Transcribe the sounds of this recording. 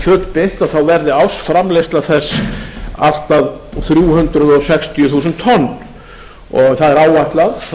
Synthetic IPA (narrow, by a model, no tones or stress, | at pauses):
fœːt̪lpɪht̪aðθawvɛɾðɪawsfɾamlejst̪laðθɛsːa̰l̥t̪aðθɾjuːhʏnt̪ɾʏðɔsɛkst̪ʰijʏθuːsʏnt̪ʰːɔnː | ɔɣθaðɛɾaːwvaht̪lað